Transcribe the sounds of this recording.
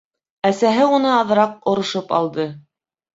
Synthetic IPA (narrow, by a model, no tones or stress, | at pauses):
æsæɦɘunɤɑð̆ɾɑq̚ŏɾŏʃɤpɑ̰lˠd̪ɤ